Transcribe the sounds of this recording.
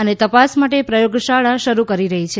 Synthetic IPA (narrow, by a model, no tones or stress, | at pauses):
ənet̪əpasmaʈepɾəjoɡʃaɭaʃəɾukəɾiɾəɦit͡ʃʰe